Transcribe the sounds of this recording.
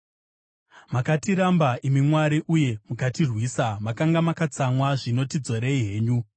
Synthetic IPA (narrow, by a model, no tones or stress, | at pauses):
makatiɾambaʔimimwaɾiʔuje̞mukatirwiːsamakaŋɡamakat͡samwaʐino̞tid͡zo̞ɾeiɦe̞ːɲu